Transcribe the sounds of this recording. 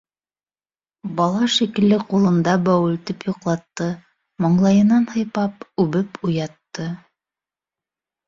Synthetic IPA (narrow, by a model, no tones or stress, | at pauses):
bɑlˠɑʃikɘ̆lːɘqulˠɤ̆nd̪ɑbæwɘ̆lt̪ɘpjuqlˠɑt̪ːɤ | moɴlˠɑjɤ̆nɑnhɤ̆jpɑpʉβɘpujɑt̪ːɤ